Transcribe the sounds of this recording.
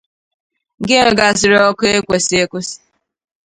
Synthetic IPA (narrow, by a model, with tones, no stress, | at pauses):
ɡe˦ŋe˨ɡa˨sɪ˨ɾɔ˦kʊ˦e˦kʷe˨si˦e˦kʷʊ˦si̥˨˦